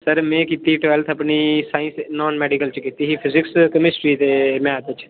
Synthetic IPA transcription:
səɾmɛ̃ːkiːt̪iʈʋɛːlt̪ʰəpniːsaːĩnsnɔːnmɛːɖikəlt͡ʃkiːt̪iːɦiːpʰɪzɪkskəmɪsɾiːd̪eːmɛ̃ːd̪ɪt͡ʃ

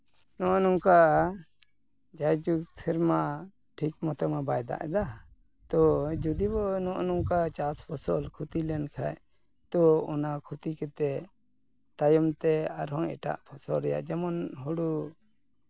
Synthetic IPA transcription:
nɔʔnuŋka | d͡ʒajd͡ʒuɡtʰɛɾma | ʈʰikmɔt̪ɔmabajd̪a̰ʔɛd̪a | t̪ɔd͡ʒud̪ibɔnɔʔnuŋkat͡ʃaspʰɔsɔlkʰut̪ilɛnkʰa̰j | t̪ɔɔnakʰut̪ikɛt̪ɛ | t̪ajɔmt̪ɛaɾɦɔŋɛ̰ʈa̰ʔpʰɔsɔlɾɛja̰ʔd͡ʒɛmɔnɦɔɽu

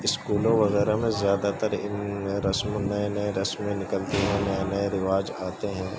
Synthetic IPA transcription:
ɪskuːlõʋɐɣɛːɾamẽzjaːd̪at̪əɾɪɾɐsmnɐenɐeɾɐsmẽnɪkəlt̪eɦɛ̃ːnɐenɐeɾɪʋaːd͡ʒaːt̪eɦɛ̃ː

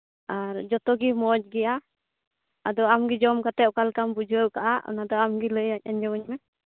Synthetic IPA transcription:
aɾd͡ʒɔt̪ɔɡimɔd͡ʒɡɛja | ad̪ɔamɡid͡ʒɔmkat̪ɛʔkalkambud͡ʒəkaʔaʔɔ̰nad̪ɔamɡiləjac̚aɲd͡ʒɛwəɲmɛ

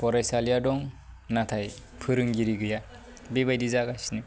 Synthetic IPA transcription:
pɔɾajsalijadɔŋnatʰaj | pʰɯɾɯŋɡiɾiɡɯja | bibajdizaɡajsni

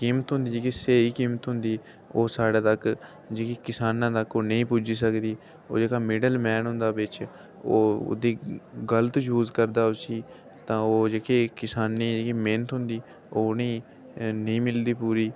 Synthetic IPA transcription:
kiːmət̪ɦʊ̃nd̪iːd͡ʒeːkiseːiːkiːmət̪ɦʊ̃nd̪iː | oːsaːɽaːt̪ək | d͡ʒeːkiːkɪsaːnãːt̪əkoːnəĩːpuːd͡ʒiːs̬əkd̪iː | o̰ːd͡ʒeːkaːmɪɖəlmɛːnɦʊ̃nd̪aːʋɪt͡ʃ | o̰ːd̪iːɡələt̪d͡ʒuːzkəɾd̪aːʊsiː | t̪ãːoːd͡ʒeːkeːkɪsaːnːiːd͡ʒeːkiːmeːnət̪ɦʊ̃nd̪iː | oːnĩː | nəĩːmɪld̪iːpuːɾiː

